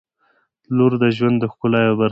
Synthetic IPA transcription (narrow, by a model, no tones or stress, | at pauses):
luɾd̪əʒwand̪ːəxkʊlɑjobaɾ